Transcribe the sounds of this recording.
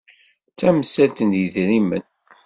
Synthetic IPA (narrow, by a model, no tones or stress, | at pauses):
t͡sːæməsælt̪ənd̪jəðɾimə̰n